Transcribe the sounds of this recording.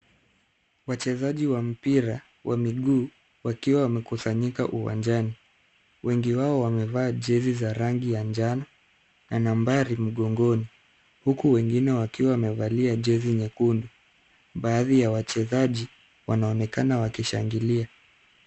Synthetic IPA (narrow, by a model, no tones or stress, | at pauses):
wat͡ʃɛzaʄiwam̩piɾa | wʔamiɠuː | wakiwawamɛkusaɲika̰ʔuwa̰nd͡ʒani | wɛŋɡiwaɔwamɛvaːʄɛzizaɾaŋɡijand͡ʒanɔ | nanambaɾim̩ɠɔŋɡɔni | hukuwɛŋɡinɛwakiwawamɛvaliaʄɛziɲɛkundu | ɓaːðijawat͡ʃɛzaʄi | wanaɔnɛkanawakiʃaŋɡilia